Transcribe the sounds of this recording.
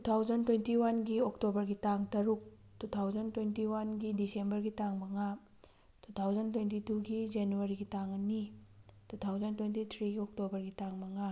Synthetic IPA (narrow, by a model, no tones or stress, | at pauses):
tutʰawzɐntwentiwanɡioktobɐɾɡitaŋtɐɾuk̚ | tutʰawzɐntwentiwanɡidisembɐɾɡitaŋmɐŋa | tʰutʰawzɐntwentituɡid͡ʒenuɐɾiɡitaŋɐnitutʰawzɐntwentit̪ʰɾiɡiok̚tobɐɾɡitaŋmɐŋa